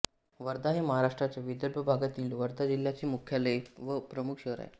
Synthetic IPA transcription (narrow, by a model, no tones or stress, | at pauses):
ʋəɾd̪aɦeməɦaɾaʂʈɾat͡ɕjaʋid̪əɾbʱəbʱaɡat̪iːlʋəɾd̪ad͡ʑiljat͡ɕiːmukʰjaləʋəpɾəmukʰɕeɦɾa̰j̰